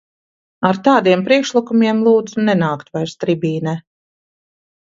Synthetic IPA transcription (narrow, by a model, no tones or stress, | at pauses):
aɾt̪aːd̪iɛmpɾiɛkʃlˠikumiɛmlˠuːd̪zunɛnaːkt̪vajɾst̪ɾibʲiːnɛ